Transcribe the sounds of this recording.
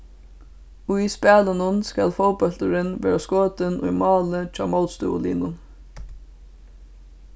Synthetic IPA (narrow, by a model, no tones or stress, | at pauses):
ʊspæːlənʊnskalfowpɔlt̪əɾɪnʋeːɹaskoːt̪ɪnʊ̰jmɑːlət͡ʃʰɑ̰ːmɔlt̪st̪ṵːʊ̰lḭːnʊn